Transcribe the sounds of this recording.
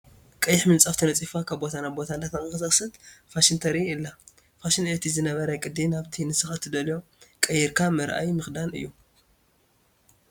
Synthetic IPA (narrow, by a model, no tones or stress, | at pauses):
kʼɐjɪħmɨnt͡sʼaft̪ʰɐnɐt͡sʼifakʰabbo̞t̪ʰanabo̞t̪ʰand̪at̪axɨxɨsɐxsɨt̪faʃint̪ʰɐɾiɨlːa | faʃinet̪ʰizɨnɐβɐɾajkʼɨd̪ːinaβt̪ʰinɨsɨxat̪ʰːɨd̪ɐljo̞ | kʼɐjːɪɾkʰamɐɾʔa̰jmɨxd̪anɨ̰jːu